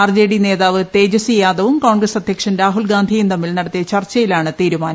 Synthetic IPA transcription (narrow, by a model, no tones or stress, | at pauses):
ɐrd͡ʑeːɽine̞ːðaːʋɨt̪e̞ːd͡ʑɐsijaːðɐʋumkoːɳɡrɐsɐd̪ʱjɐkʂɐnɾaːɦulɡaːnd̪ʱijumt̪ɐmːilnɐɽɐt̪ːijɐt͡ɕɐrt͡ɕːɐjilaːɳɨt̪iːɾumaːnɐ